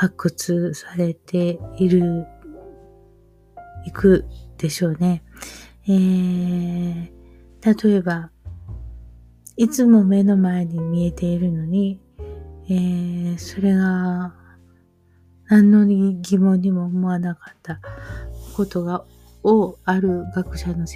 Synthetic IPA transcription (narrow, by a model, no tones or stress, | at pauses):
hakːɯ̟t͡sɨsaɾe̞t̪e̞iɾɯ̟ | ikɯ̟d̪̥e̞ɕo̞ːne̞ | eː | t̪at̪o̞e̞ba | it͡sɨmo̞me̞no̞mae̞ɲ̟imʲie̞t̪e̞iɾɯ̟no̞ɲ̟i | eːso̞ɾe̞ɡa | nãnːo̞ɡʲimõ̞ɲ̟ːimo̞ːmo̞anakḁt̪ːa | ko̞t̪o̞ɡa | oaɾɯ̟ɡakɯ̟̥ɕano̞